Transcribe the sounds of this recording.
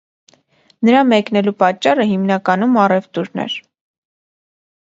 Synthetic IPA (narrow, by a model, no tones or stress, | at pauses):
nəɾɑmɛknɛlupɑt͡ʃːɑrəɦimnɑkɑnumɑrɛvt̪uɾnɛ̰ɾ